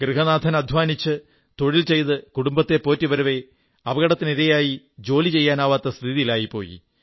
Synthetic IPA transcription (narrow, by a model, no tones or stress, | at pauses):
ɡrɨɦɐnaːd̪ʱɐnɐd̪ʱʋaːnit͡ɕːɨ | t̪o̞ɻilt͡ɕe̞jt̪ɨkuɽumbɐt̪ːe̞po̞ːtːiʋɐɾɐʋe̞ | ɐbɐɣɐɽɐt̪ːiniɾɐjaːji | d͡ʑo̞ːlit͡ɕe̞jːaːnaːʋaːt̪ːɐst̪ʰiðijilaːjipːo̞̰ːjḭ